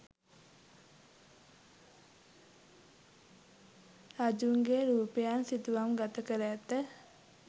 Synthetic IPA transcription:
ad͡ʒuŋɡeɾuːpəjansit̪uʋamɡat̪əkəɾɛt̪ːə

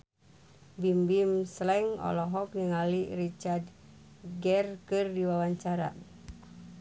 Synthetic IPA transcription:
bimbimslɛŋɔ̰lɔɦɔk̚niŋalirit͡ʃard | ɡɛrkɨrdiwawaɲt͡ʃaɾa̰

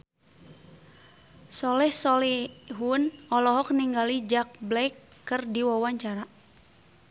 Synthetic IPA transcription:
sɔlɛhsɔlɛɦunɔlɔɦɔk̚niŋɡalid͡ʒak̚blɛkː | ɨrdiwawaɲt͡ʃaɾa

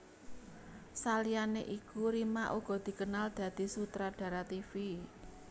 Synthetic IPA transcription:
salianeʔikuɾimaʔuɡ̥ɔ̤d̪̥i̤kənald̪̥ä̤d̪̥i̤sut̪ɾaɖ̥ä̤ɾat̪ifi

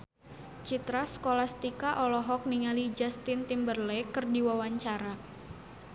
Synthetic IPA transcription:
t͡ʃit̪ɾasə̥kolast̪ikaʔɔlɔɦɔk̚niŋalid͡ʒast̪ɪnt̪imbərlekɨrdiwawaɲt͡ʃaɾa

